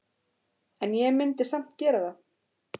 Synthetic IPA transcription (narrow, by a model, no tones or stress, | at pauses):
ɛnjɛɣmɪnt̪ɪsam̥t̪cɛːɾaða